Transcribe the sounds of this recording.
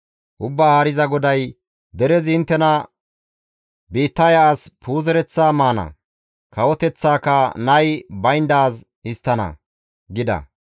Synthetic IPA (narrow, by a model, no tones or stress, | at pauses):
ʔʊbːaːhɐɾɪzɐɡɔd̪ɐj | d̪ɛɾɛzɪnt̪ːɛnɐ | biːt̪ːɐjɐːspʰuːzɛɾɛt͡sːaːmaːnɐ̰ | kɐwɔt̪ɛt͡sːaːkɐnɐjbɐjnd̪aːz | ɪst̪ːɐnɐ̰ | ɡɪd̪ɐ̰